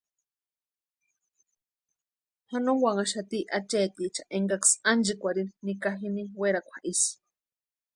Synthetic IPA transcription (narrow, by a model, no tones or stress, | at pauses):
hanõŋwaŋaʃat̪iʔat͡ʃeːt̪it͡ʃaʔeŋɡaksand͡ʒikʷaɾininikaɦiniweɾakʷʰaʔisi̥